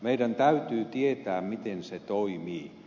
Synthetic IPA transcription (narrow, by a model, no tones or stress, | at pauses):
meidænt̪æyt̪yːt̪iet̪æːmmit̪enset̪oimiː